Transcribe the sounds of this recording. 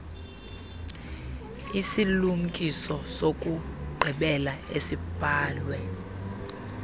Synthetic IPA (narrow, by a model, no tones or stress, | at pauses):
isilum̩kʼisɔsokʼuɡ͡ǀʱiɓɛlaesib̥ʱaːlwɛ